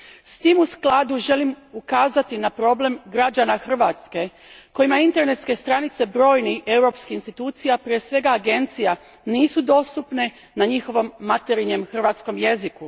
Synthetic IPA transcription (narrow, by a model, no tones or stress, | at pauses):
st̪iːmusklˠad̪uʒe̞lim | ukaːzat̪inapɾo̞ble̞mɡɾad͡ʒanaxr̩ʋat̪ske̞ | ko̞jimaint̪e̞ɾne̞t̪ske̞st̪ɾanit̪se̞bɾo̞ːjnie̞uɾo̞pskiinst̪it̪uːt̪sijapɾie̞sʋe̞ɡaːɡe̞nt̪sija | niːsud̪o̞st̪upne̞ | naɲixo̞ʋo̞mːat̪eɾiɲe̞mxr̩ʋat̪sko̞mje̞ziku